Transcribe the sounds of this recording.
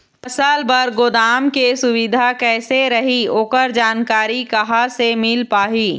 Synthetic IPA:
pɐsəlbɐɾɡoːd̪aːmkesʊʋɪd̪ʱakɛːseɾɐɦioːkəɾd͡ʒaːnkaːɾikɐɦasemɪlpaːɦiː

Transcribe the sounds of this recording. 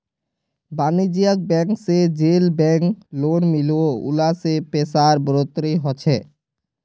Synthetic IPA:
banid͡ʑijak̚bɛŋksed͡ʑelbɛŋklonmiloṵlasepesaɾbɾot̪ɾiɦɔt͡ɕʰe

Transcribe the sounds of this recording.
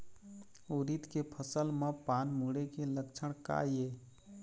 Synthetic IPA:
uɾit̪kepʰəsəlmepaːnmuɽekeləkt͡ʃʰəɽ̃ka̰e

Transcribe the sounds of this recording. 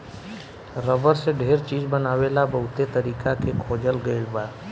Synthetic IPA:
ɾəbəɾseɖʱeːɾt͡ʃiːd͡ʒbənaːwelabɐɦʊt̪et̪əɾiːkakekʰoːd͡ʒəlɡəebaː

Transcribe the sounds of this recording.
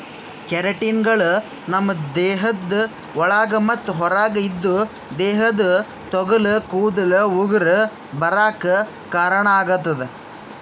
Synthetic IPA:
kɛɾɐʈinɡɐɭu | nɐmːɐd̪ɛːɦɐd̪ː | ɔɭaːɡɐmɐt̪ːuɦɔɾaːɡɐid̪ːu | d̪ɛːɦɐd̪u | t̪ɔɡɐlɐkuːd̪ɐlɐuɡɐɾɐ | bɐɾaːkɐ | kaːɾɐɳɐaːɡut̪ːɐd̪e

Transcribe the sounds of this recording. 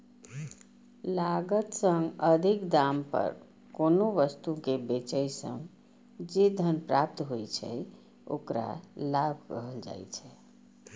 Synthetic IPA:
laɡət̪sə̃ŋɡəd̪ʱikd̪ampə̰ɾ | konoʋəst̪ukebet͡ʃəjsə̰̃ŋ | d͡ʒed̪ʱənpɾap̚t̪ɦojt͡ʃʰɛ̰ | o̰kɾa̰lab̚ʱkəɦəld͡ʒa̰jt͡ʃʰɛ

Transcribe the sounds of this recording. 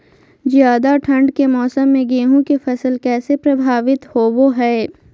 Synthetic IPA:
d͡ʒjaːd̪aʈʰɐ̃ɳɖkemɔːsəmːẽɡeːɦũkefɐsəlkɛːsepɾɐbʱaːʋɪt̪hoːʋoɦɛː

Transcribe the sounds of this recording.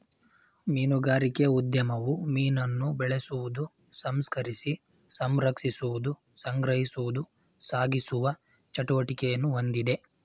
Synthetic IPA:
miːnuɡaːɾikeud̪jɐmɐʋumiːnɐnːubɛɭesuʋud̪u | sɐmskɐɾisi | sɐmɾɐkʂisuʋud̪u | sɐŋɡɾɐɦisuʋud̪u | saːɡisuʋɐ | t͡ʃɐʈuʋɐʈikɛjɐnːuond̪id̪e̞

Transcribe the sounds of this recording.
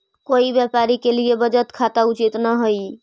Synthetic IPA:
koibjɛpaɾikeliebəd͡ʒət̪kʰat̪aut͡ʃit̪nəɦoj

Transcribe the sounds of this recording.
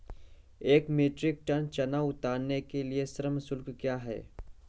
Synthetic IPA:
eːkmeːʈɾɪk̚ʈɐnt͡ʃɐnaʊt̪aːɾnekeliesɾəmsʊlkkjaːɦɛ̰ː

